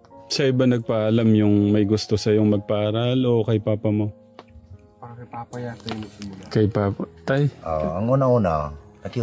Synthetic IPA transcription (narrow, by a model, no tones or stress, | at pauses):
sɐʔɪbanɐɡ̚paʔɐlamjʊŋmɐjɡʊst̪o̞sɐjo̞ŋmɐɡ̚paʔaːɾalo̞kɐjpaːpɐmo̞ | a | kɐjpapt̪ajʔoʔɐŋʔuːnauːnaɐk